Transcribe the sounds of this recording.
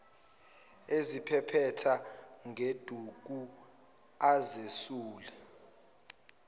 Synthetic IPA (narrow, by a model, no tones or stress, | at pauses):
ezipʰɛpʰɛtʰaŋʱed̥ʱuk̬u | azesuːlɛ